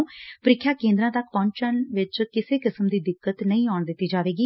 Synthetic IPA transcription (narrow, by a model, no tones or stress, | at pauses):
pəɾɪkʰːjaːkẽːnd̪ɾãːt̪əkʰpɔ̃ːɲt͡ʃənʋɪt͡ʃkɪseːkɪsəmd̪iːd̪ɪkːət̪nəĩːɔːɳd̪ɪt̪ːiːd͡ʒaːʋeːɡiː